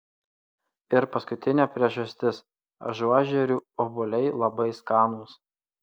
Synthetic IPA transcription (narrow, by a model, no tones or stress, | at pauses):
ɪɾpɐskʊt̪ʲɪnʲɛːpʲɾʲiɛʒɐsʲt̪ʲɪs | ɐ̰ʒɔʒʲɛɾʲuːoːbʊlʲɛɪlˠɐbɐɪskɑːnuːs